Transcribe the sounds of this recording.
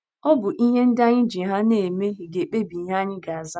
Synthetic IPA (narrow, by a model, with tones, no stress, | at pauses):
ɔ˦bʊ˨ʔi˦ɦe˦n̩˦da˦ɲɪ˦d͡ʒi˨ɦa˦ne˨me˦ɦi˨ɡe˨k͡pe˦bi˨˦ɦa˦ɲɪ˦ɡa˨a˨za˦